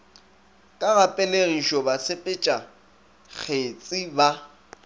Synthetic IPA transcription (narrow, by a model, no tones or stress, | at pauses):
kʼaɣapʼɛleɣiʃɔbat͡sʰepʼɪt͡ʃʼa | k͡xʰet͡sʼɪba